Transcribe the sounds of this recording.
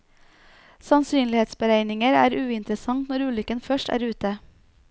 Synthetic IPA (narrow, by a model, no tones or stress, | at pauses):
sɑnsyːnlɪheːt̪sbəɾæɪnɪŋəɾæ̰ːɾʔʉːɪnt̪ɾəsɑŋt̪nɔɾʉːlʏkənfœʃʈæ̰ːɾʉːt̪ə